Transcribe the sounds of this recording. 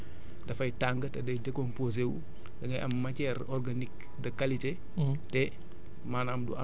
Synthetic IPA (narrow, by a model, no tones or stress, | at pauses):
dɐfɐjtaŋɡətɛdɐjdɛkompozew | dɐŋɡɐjʔɐmːɐcɛɾɔrɡanik | dɐkalite | tɛ | maːnamdṵʔɐ